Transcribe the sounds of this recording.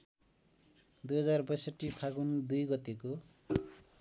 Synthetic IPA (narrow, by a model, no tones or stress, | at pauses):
d̪ujɦʌd͡zarbʌjsʌʈːipʰaɡund̪ujɡʌt̪eko